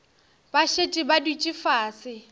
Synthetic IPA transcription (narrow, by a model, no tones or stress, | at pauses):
baʃetʼɪbadit͡ʃʼɪfaːsɪ